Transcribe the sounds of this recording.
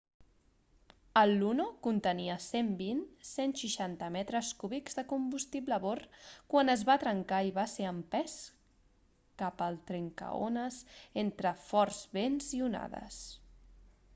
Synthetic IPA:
əlːunokunt̪əniəsembinsenʃiʃant̪əmɛt̪ɾəskuβikzðəkumbust̪ibləβorkwanəzβat̪ɾəŋkaiβaseəmpɛs | kapəlˠt̪ɾeŋkə̰o̰nəsent̪ɾəfɔɾzβenziuna̰ðə̰s

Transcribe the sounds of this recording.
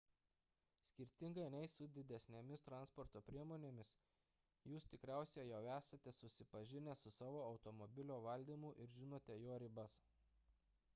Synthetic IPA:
sʲkʲɪɾʲt̪ʲɪŋɡɐɪnʲɛɪsʊd̪ʲɪd̪ʲɛsʲnʲemʲɪst̪ɾɑˑnspɔɾt̪oːpʲɾʲiɛmoːnʲeːmʲɪs | juːst̪ʲɪkɾʲæˑʊsʲɛjɛʊæːsɐt̪ʲɛsʊsʲɪpɐʒʲɪnʲɛsʊsɑːʋoːɒʊt̪omɔbʲɪlʲoːʋɐlʲd̪ʲiːmuˑʔɪɾʒʲɪnoːt̪ʲɛjoːɾʲɪbɐs

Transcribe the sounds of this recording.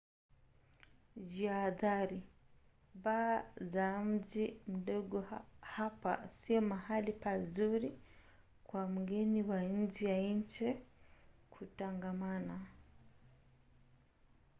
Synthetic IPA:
ziaðaɾi | baːzam̩zim̩ɗɔɡɔhapa̰siɔmahalipazuɾi | kwamuɡɛniwaɲ̩d͡ʒijaiɲt͡ʃɛ | kʰutaŋɡamana

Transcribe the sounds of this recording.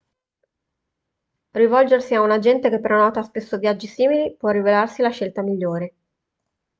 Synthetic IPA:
rivɔld͡ʒersiaunad͡ʒɛnt̪ekepːeɾnɔːt̪aspesːovjad͡ʒːisiːmilipwɔrːivelarsilaʃːelt̪amiʎːoːɾe

